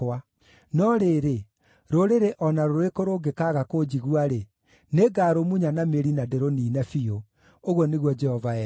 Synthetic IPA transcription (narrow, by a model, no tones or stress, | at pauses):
a | nɔɾeɾe | ɾoɾeɾeʔɔnaɾoɾekoɾoɡekaɣakod͡ʒiɣuaɾe | neɡaɾomuɲanameɾinadeɾoniːnɛfio | oɣwɔneɣwɔd͡ʒɛhɔvaɛ